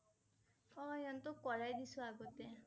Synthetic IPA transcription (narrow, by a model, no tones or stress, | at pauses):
ɔjɔnt̪ɔkɔɹajd̪isuaɡɔt̪e